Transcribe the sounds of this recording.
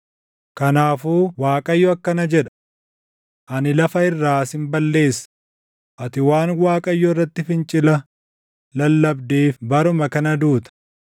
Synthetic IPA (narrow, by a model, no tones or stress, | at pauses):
kɐnaːfuːwaːkʼɐjːɔɐkːɐnɐd͡ʒɛᶑɐ̥ | ʔɐnɪlɐfɐɪrːaːsɪmbɐlːe̞ːsːɐ̥ | ʔɐt̪ɪwaːnwaːkʼɐjːɔɪrːɐt̪ːɪfɪnt͡ʃʼɪlɐ | lɐlːɐbd̪eːfbɐɾʊmɐkɐnɐd̪uːt̪ɐ̥